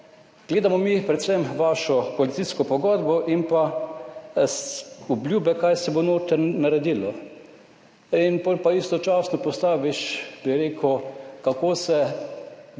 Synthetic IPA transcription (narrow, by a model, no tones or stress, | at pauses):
ɡ̥leːd̪amɔmipɾɛt̪sɛmʋaːʃɔpɔlit̪siskɔpɔɡɔd̪bɔʔinpa | ublʲjuːbɛkajsɛbonoːt̪əɾnaɾɛd̪iːlɔ | inpɔːlʲpaist̪ɔt͡ʃaːsnɔpɔst̪aːʋiʃb̥iɾeːkʰəkakoːsɛ